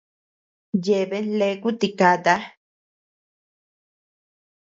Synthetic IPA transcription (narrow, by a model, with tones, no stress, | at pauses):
je˨βe˦nle˧˦ku˦t̪i˧ka˧d̪a˦